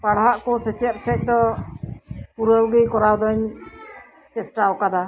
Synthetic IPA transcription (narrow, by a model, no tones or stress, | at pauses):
paɽɦaʔkɔsɛt͡ʃɛt̪̚sɛc̚ˀd̪ɔ | puɾəwɡijkɔɾawd̪ɔɲ | t͡ʃɛsʈawkad̪a